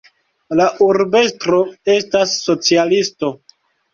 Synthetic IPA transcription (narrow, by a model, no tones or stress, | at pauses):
laʔuɾbe̞stɾo̞e̞stasːo̞t͡sialisto̞